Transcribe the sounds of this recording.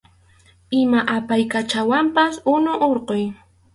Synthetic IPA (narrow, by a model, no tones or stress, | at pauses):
ɪmaʔapajkat͡ʃawampasʊnʊʔoɾqoj